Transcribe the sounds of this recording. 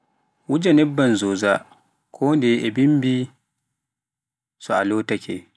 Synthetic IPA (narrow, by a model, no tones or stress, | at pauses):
wʊd͡ʒanɛbːɐnzoːza | kʰoːndɛʔɛbɪmbiː | sɔʔaloːtɐkʲʰe